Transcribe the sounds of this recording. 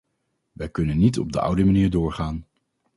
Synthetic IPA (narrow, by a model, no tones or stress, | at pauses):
ʋɛjkɵnənːitɔ̰b̚dəʔʌ̰wdəmaniːɹdʊːɹχaːn